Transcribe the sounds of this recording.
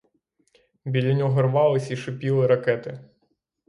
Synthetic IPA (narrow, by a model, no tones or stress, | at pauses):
bʲilʲɐnʲɔɦɔrʋɑlˠɪsʲiʃɪpʲilˠɪɾɐkɛt̪ɪ